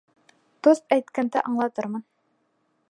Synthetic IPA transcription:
d̪̥ost̪æjt̪kænd̪æʔɑɴlˠɑt̪ɤɾmɤn

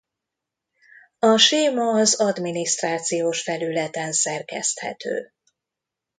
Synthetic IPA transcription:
ɒʃeːmɒːzɒd̪miniʃt̪raːt̪sijoːʃfɛlylɛt̪ɛnsɛrkɛ̰st̪hɛ̰t̪ø̰ː

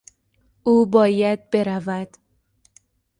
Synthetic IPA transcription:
ʔuːbɒːjæd̪̚be̞ɾævæd̪̥

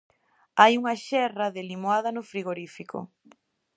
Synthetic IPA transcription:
ajuŋɐʃɛrɐðelimoaðɐnʊfɾiɣoɾifikʊ̰

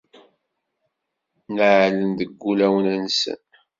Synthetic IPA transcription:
nəʕlənd̪əɡːulæwənænsə̰n

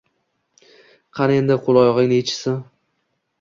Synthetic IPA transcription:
qʰɑɾend̪ɪqʰolˠɒjɒʁɪŋnɪet͡ʃʰɪ̥sɪ

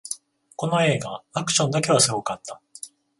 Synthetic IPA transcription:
ko̞no̞e̞ːɡaakɯ̟̥ɕõ̞nd̪ake̞βasɨɡo̞kat̪ːḁ

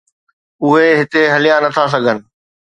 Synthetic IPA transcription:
ʊɦeɦɪt̪eɦɐlijanɐt̪ʰas̬ɐɡʱənɪ̆

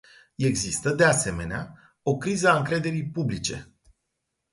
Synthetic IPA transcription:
e̞ɡzist̪əd̪e̞ase̞me̞nea | o̞kɾizəaɨŋkɾe̞d̪e̞ɾijpublit͡ʃe̞̰

